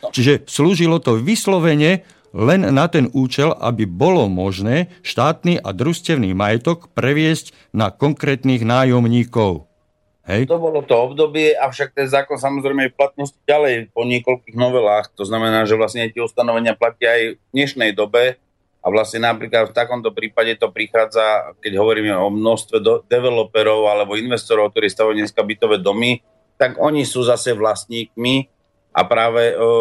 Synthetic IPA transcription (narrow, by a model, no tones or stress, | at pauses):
t͡ʃiʒɛsluːʒilɔt̪ɔʋislɔʋɛɲɛ | lɛnːat̪ɛnuːt͡ʃɛla̰bibɔlɔmɔʒnɛːʃt̪aːt̪niːʔa̰d̪ɾuscɛʊniːmajɛt̪ɔkpɾɛʋɪɛzc | nakɔŋkɾɛːt̪niːɣnaːjɔmɲiːkɔʊ | ɦɛjt̪ɔbɔlɔt̪ɔɔbd̪ɔbɪɛʔaʊʃak̚t̪ɛnzaːkɔns̬amɔzɾɛɪmɛɛplat̪̚nɔsci̥ɟalɛjpɔɲɪɛkɔlkiːɣnɔʋɛlaːxt̪ɔznamɛnaːʒɛʋlasɲɛɛt̪ɪɛust̪anɔʋɛɲɪaplacɪaajd̪ɲɛʃnɛjd̪ɔbɛ | a̰ʋlasɲɛnapɾiːklat̪ft̪akɔmt̪ɔpɾiːpaɟɛt̪ɔpɾixaːd͡zakɛɟɦɔʋɔɾiːmɛɔmnɔst̪ʋɛd̪ɛʋɛlɔpɛɾɔʊalɛbɔinʋɛst̪ɔɾɔʊk̚t̪ɔɾiːst̪aʋɔɲɛskabit̪ɔʋɛːd̪ɔmi | t̪aɡɔɲisuːzasɛʋlast̪ɲiːkmi | ʔa̰pɾaːʋɛ